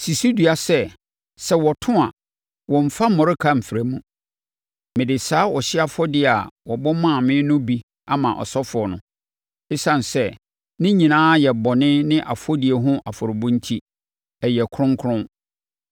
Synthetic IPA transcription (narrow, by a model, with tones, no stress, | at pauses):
si˨si˦du˨a˨sɛ˦ | sɛ˦wɔ˨tʰʊ̃˦a̰˨ | wɔ̃˨m̩˨fa˦mɔ̃˨ɾɪ˦kʰa˦m̩˨fɪ˨ɾæ˨mũ˦ | mɪ̃˨dɪ˨saː˦wɔ˨ɕɪ˦a˨fɔ˦dɪ˦˨a˨wɔ˨bɔ˦mã˦˨mɪ̃˦nʊ̃˦bi˦ | a˨mã˨ʔɔ̰˨sɔ˦fʊ˨ɔ˨nʊ̰̃˨ | ɪ˦sã˨n˨sɛ˦ | nɪ̃˦ɲĩ˨nãː˦jɛ˨bɔ˨nɪ̃˦nɪ̃˦ʔa˨fɔ˦di˨e˨ɦʊ̃˦ʔa˨fʊ˨ɾʊ˨bʊ̃˦n˦tʰi˦ | ɛ˨jɛ˨kʰɾʊ̃˦ŋ˦kʰʊ˦ɾʊ̃˦n